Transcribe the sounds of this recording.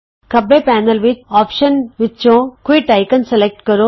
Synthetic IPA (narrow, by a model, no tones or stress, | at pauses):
kɐbːeːpæːnɐlʋɪt͡ʃaːpʃɐnʋɪt͡ʃːõːkuiʈɐɪkɐnselek̚ʈkɐɾoː